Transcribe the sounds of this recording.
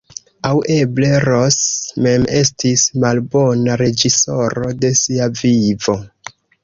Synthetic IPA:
awʔe̞ble̞ɾosme̞me̞stismalbo̞naɾe̞d͡ʒiso̞ɾo̞de̞siavivo̞

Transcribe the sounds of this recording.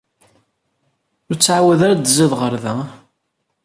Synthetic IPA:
ʊɾt͡sːʕawæðaɾad̪ziðʁəɾðæ

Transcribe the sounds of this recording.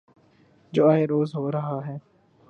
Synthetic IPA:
d͡ʒoːaːeːɾoːzɦoːɾəɦaːɦɛː

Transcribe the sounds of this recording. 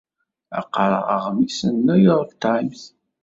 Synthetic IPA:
æ̰qːɾˤə̰ʁə̰ʁəmisənːæjoʁˤəft̪ʕimθ

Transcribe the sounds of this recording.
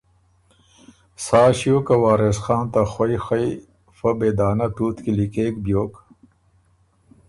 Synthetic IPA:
saːɕijoːkɐwaːɾesxaːnt̪axwojxɐj | fɐbeːd̪aːnɐʈ̪uːt̪kilikeːkbjoːk

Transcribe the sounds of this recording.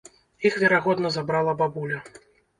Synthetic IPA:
ixvʲɛɾaɣɔd̪nɐzabɾalˠɐbabulʲɐ

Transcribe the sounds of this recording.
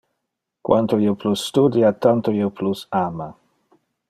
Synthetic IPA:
kwʔa̰nt̪oioplusːt̪ud̪jat̪ant̪oiopʰlusaːma

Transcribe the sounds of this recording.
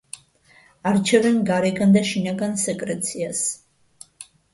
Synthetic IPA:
aɾt͡ʃʰɛvɛnɡaɾɛɡand̪aʃinaɡansɛkʼɾɛt̪sʰias

